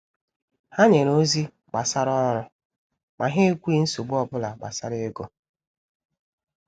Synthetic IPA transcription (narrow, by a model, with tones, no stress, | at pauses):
ha˦ɲe˨ɾo˦zi˦ | ɡ͡ba˨sa˦ɾɔ˦ɾʊ˦ | mʔa˨ɦe˦kʷu˦i˦n̩˦su˨ɡ͡bɔ˦bʊ˦la˨ɡ͡ba̰˨sa˦ɾe˦ɡo˦